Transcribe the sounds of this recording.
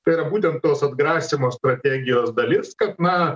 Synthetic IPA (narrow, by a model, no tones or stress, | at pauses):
pʲeɾɐbut̪ʲɪnt̪osɐd̪ɡɾasʲɪmʊjʊst̪ɾɐtʲeɡʲɪjʊɐzd̪ɐlʲit̪skaknɐ